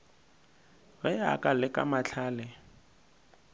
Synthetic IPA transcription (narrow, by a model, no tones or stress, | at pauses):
ɣɛa̰kʼalɪkʼa̰mat͡ɬʰaːlɪ